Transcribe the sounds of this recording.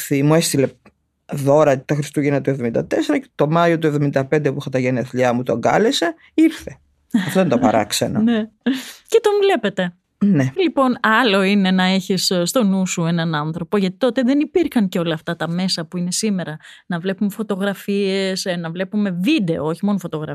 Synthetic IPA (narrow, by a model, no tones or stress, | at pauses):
θimuest̪ile̞ | ðo̞ɾɐt̪ɐxɾist̪uʝinɐt̪uevðomind̪ɐ̰t̪eseɾɐ̥t̪o̞mɐjot̪uevðomind̪ɐpe̞nd̪epuxɐt̪ɐʝenieθliɐmut̪oŋɡɐ̰lese | iɾθe̞ | ɐft̪oðent̪opɐɾɐ̰kseno̰necet̪o̞mle̞pe̞t̪e̞ | nelipo̞nɐlo̞ine̞nɐe̞çisst̪o̞nusue̞nɐnɐnθɾo̞po̞ʝɐt̪i̥t̪ot̪e̞ðe̞nipiɾxɐŋceo̞lɐːft̪ɐt̪ɐme̞sɐpuine̞sime̞ɾɐnɐvle̞pume̞fo̞t̪o̞ɣɾɐfiesnɐvle̞pume̞vid̪e̞ooçimo̞nofo̞t̪o̞ɣɾɐ